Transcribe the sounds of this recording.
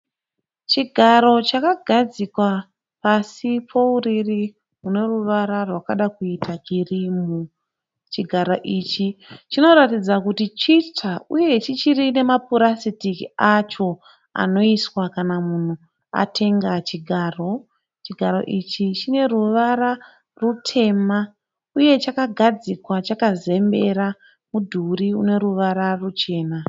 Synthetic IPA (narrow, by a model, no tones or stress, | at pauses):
t͡ʃiɡʱaɾo̞t͡ʃakaɡʱad͡zikwa | pasipʰo̞uriri | ɦune̞ruʋaɾarwakaɗakuitʰakirimu | t͡ʃiɡʱaɾo̞ʔit͡ʃit͡ʃino̞ɾatid͡zakutit͡ʃitauje̞t͡ʃit͡ʃiɾine̞mapuɾasitikiat͡ʃo̞ | a̰no̞iswakanamun̤u | a̰tʰe̞ŋɡat͡ʃiɡʱaːro̞ | t͡ʃiɡʱaɾo̞̰ʔit͡ʃit͡ʃine̞ruʋaɾa | rutʰe̞ma | uje̞t͡ʃakaɡʱad͡zikwat͡ʃakaze̞mbe̞ɾa | mudʱuɾiune̞ɾuʋaɾarut͡ʃe̞ːna